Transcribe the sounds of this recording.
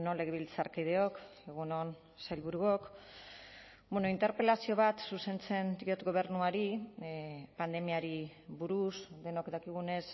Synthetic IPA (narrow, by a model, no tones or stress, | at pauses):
nole̞ɣeβilt͡saɾkið̞e̞o̞ke̞ɣ̞unon | sajlβuɾuo̞k | beno̞int̪e̞ɾpe̞lasio̞β̞at̪suse̞nt͡se̞nt̪iot̪ɡo̞β̞e̞ɾnuaɾi | pand̪e̞miaɾiβuɾusd̪e̞nokd̪akiɣ̞une̞s